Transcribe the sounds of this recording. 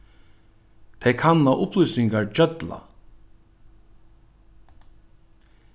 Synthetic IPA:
t̪ʰɛjkʰanːaʔʊplujsnɪŋkaɹd͡ʒœt̪la̰

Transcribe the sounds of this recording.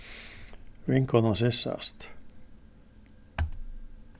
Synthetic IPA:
ʋiŋkːonɑsesːɑ̰st̪

